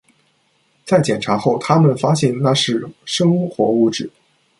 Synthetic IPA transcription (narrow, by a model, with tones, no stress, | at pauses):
t͡sa˥˩ɪt͡ɕjɛ˨˩nʈ͡ʂʰa˧˥xo˥˩ʊt̪ʰa˥mə˨nfa˥ɕjɛ˥˧nna˥˧ʂɻ̩˥˩ʂɤ˥ŋxwɔ˧˥u˥˧ʈ͡ʂɻ̩˥˩˦